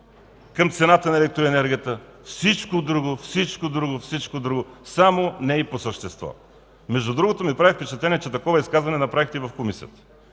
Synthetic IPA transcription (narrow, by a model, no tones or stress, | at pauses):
kəmt̪sɛnat̪ənɐɛlɛk̚t̪ɾoɛnɛɾɡʲiət̪əfsit͡ʃkod̪ɾuɡofsit͡ʃkod̪ɾuɡofsit͡ʃkod̪ɾuɡosamonɛiposəʃt̪ɛst̪vɔ̰ | mɛʒd̪ud̪ɾuɡot̪omipɾavifpɛt͡ʃɐt̪lɛniɛt͡ʃɛt̪ɐkɔvɐiskazvɐnɛnɐpɾavixt̪ɛivɐfkomisḭət̪ə̥